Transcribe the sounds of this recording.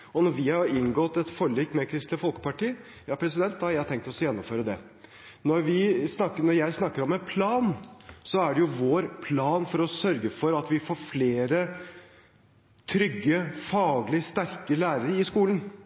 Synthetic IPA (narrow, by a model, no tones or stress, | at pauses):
ɔnɔɾʋɪhɑɾɪŋɡɔt̪ːɛt̪fɔɭiːkmɛkʰɾɪst̪lɪfɔlˠkə̥pɑʈiː | jɑːpʰɾɛs̬ɪd̪ɛnt̪̚d̪ɑhɑɾjæɪt̪ʰɛŋk̚t̪ɔsjɛnːɔmføːɾəd̪ɛ | nɔɾʋɪsnɑkːənɔɾjæɪsnɑkːəɾɔmɛnpʰlɑːnsɔæɖɛjʊʋoːɾpʰlɑːnfɔɾɔsœɾɡəfɔɾɑt̪ʋɪfoːɾfleːɾə | t̪ʰɾʏɡːəfɑːɡlɪst̪æɾkəlæːɾəɾəɪskuːlən̩